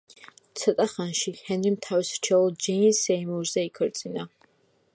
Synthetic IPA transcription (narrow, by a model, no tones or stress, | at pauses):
t̪sʰɔt̪ʼaχanʃihɛnɾimt̪ʰawisɾ̥t͡ʃʰɛɔlˠd͡ʒɛnsɛimuɾzɛikʰɔɾt̪sʼina